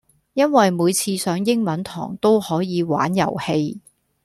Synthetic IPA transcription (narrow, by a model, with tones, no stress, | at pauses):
jɐ˥nwɐ˨jmuː˨˧jt͡sʰiː˧sœː˨˥ŋjɪ˥ŋmɐ˨˧˥nt̪ʰɔ̰ː˨˩ŋt̪o˥whɔː˨˥jiː˨˧wa̰ː˨˥njɐ̰˨˩whe˧j